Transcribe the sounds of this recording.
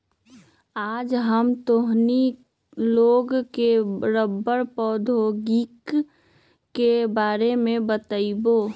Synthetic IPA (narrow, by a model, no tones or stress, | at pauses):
aːd͡ʒɦəmt̪oɦni | loːɡkeɾəbːəɾpɔːd̪ʱoɡikː | ebaːɾemẽbət̪əiboː